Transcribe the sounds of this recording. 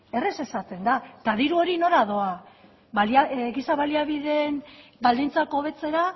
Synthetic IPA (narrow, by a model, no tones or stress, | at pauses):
e̞rese̞sat̪e̞nd̪at̪aðiɾuo̞ɾino̞ɾaðo̞a | balaɡisaβaliaβiðe̞nbald̪int͡sako̞β̞e̞t͡se̞ɾa